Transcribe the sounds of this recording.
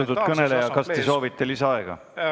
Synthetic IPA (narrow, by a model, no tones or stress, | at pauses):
t̪u̥kɤne̞le̞jɑkɑst̪es̬o̞ːvit̪ːˑeliseɑeɡ̥ɑ̰